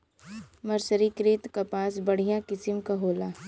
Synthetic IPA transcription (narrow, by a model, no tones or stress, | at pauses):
mɐɾsəɾikɾeːt̪kapaːsbɐɽ̤ijãkɪsɪmkaɦoːlaː